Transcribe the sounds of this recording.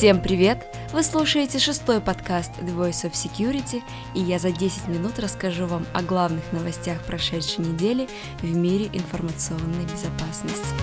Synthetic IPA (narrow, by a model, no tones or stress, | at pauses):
fsʲe̞mpɾʲɪvʲe̞t̪ | vɨslˠuʂəjɪtʲɪʂɨst̪o̞jpɐt̪kast̪d̪ɨvojsofsʲɪkʲjuɾʲɪtʲɪ | ɪjazɐdʲesʲɪtʲmʲɪnut̪rəskɐʐuvamɐ̰ɡlˠavnɨxnəvɐsʲtʲaxpɾɐʂɛt̪ʂəjnʲɪdʲelʲɪ | vmʲiɾʲɪʔɪnfərmət̪sɨo̞nːəjbʲɪzɐpasnəsʲtʲ